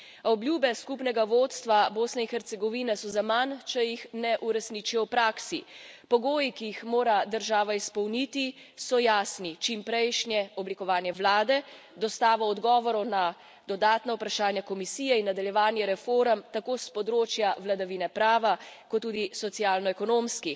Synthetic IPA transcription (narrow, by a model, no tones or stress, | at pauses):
ɔbljuːbɛskupnɛɡaʋoːt̪st̪ʋaboːsnɛinxɛɾt̪sɛɡɔʋinɛsɔzamant͡ʃɛjixnɛʔuɾɛsniːt͡ʃijɔwpɾaːksipɔɡoːjikijixmoːɾad̪əɾʒaːʋaispɔwnit̪i | sɔjaːsnit͡ʃimpɾɛjʃnjɛɔblikɔʋaːnjɛʋlaːd̪ɛ | d̪ɔst̪aːʋaɔd̪ɡɔːʋɔɾɔna | d̪ɔd̪aːt̪nawpɾaʃaːnjakɔmisiːjɛinːad̪aljɛʋaːnjɛɾɛfoːɾəmt̪akospɔd̪ɾoːt͡ʃjaʋlad̪aʋinɛpɾaːʋakɔt̪ːuːd̪isɔt̪sijaːlnɔɛkɔnoːmski